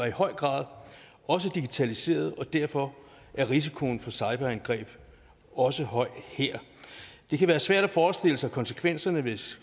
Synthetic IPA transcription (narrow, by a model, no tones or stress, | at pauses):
ɑihɒ̽ɪ̰ɡ̥ʁɑ̰̈ːð̞ˠ | ɒ̽s̬əd̥iɡ̥it͡sʰælise̝̰ːɐð̞̩ˠɒ̽d̥æɐ̰fɒ̽ | ʔæɐʁis̬i̥kʰo̝nfɒ̽sɑ̈ɪb̥ɐænɡ̥ʁɛ̰ːb̥ | ɒ̽səɦɒ̽ɪ̰heɐ̰d̥e̝kʰæʋæːɐsʋæɐ̰ɾ̥æfɒːsd̥e̝l̰əsɑ̈ɪkʰɒ̽nsəkʰʋen̰sɐnəʋe̝s